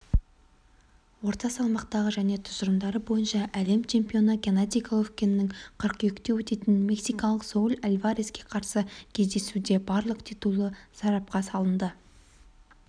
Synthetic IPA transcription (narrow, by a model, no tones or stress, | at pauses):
wo̞ɾt̪ɑsɑlˠmɑqt̪ɑʁəʒæne̞t̪ʰʊ̥zəɾəmd̪ɑɾəbo̞jənʃɑʔæle̞mt͡ʃʰe̞mpio̞nəɡʲenat̪ijkʰalˠofkʲe̞nɪːɪŋqʰəɾqekt̪e̞wɵt̪e̞t̪ɪnmʲe̞ksijkɑlˠəqsolʲalʲvaɾʲeskʲe̞qʰɑɾsəkʲʰe̞zd̪e̞sud̪e̞bɑɾlˠəqt̪ʰijt̪ulˠəsɑɾɑp̚qɑsɑlˠənd̪ə